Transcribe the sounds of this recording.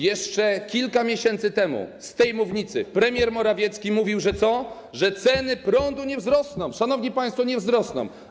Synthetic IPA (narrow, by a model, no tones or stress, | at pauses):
jɛʂt͡ʂɛkʲilkamʲjeɕɛnt̪sɘt̪ɛmṵst̪ɛjmuvɲit̪sɘ̰pɾɛmʲjɛɾmɔɾavʲjɛt̪skʲimuvʲiwʐɛt̪sɔ | ʐɛt̪sɛnɘpɾɔnd̪uɲɛvzɾɔsnɔ̃w̃ʂanɔvɲipaj̃st̪fɔɲɛvzɾɔsnɔ̰̃w